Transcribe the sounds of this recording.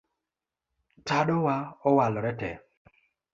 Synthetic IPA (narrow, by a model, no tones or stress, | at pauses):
taɗowaɔwalɔɾɛtɛ̰